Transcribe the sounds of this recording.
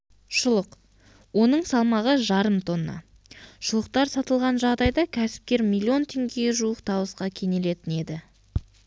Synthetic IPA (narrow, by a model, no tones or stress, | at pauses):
ʃʊlˠəq | wo̞nəɴsɑlˠmɑʁəʒɑɾəmt̪ʰo̞nːɑ̰ | ʃʊlˠəq̚t̪ɑɾsɑt̪əlˠʁɑnʒɑʁd̪ɑjd̪ɑkʲʰæsɪ̥p̚kʲe̞ɾmilʲːio̞nt̪ʰe̞ŋɡʲe̞ʒuəqt̪ʰɑwəsqɑkʲʰe̞ne̞le̞t̪ɪne̞d̪ɪ